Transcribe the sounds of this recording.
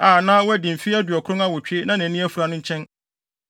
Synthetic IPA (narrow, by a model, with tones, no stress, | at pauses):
a˨nãː˦wɔ˦ɛ˦dĩ˨m̩˨fi˦æ˦dɥɔ˨kʰʊ̃˦a˦wɔ˨t͡ɕᶣe˦nã˦næ̃˨nĩ˦æ˦fu˨ɾa˨˦nʊ̃˦ɲ̩˦t͡ɕʰɛ̃˦n